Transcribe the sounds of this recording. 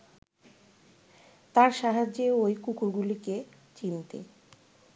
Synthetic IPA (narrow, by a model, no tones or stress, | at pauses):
t̪aɾʃaɦad͡ʑeojkukuɾɡulike | t͡ɕint̪ḛ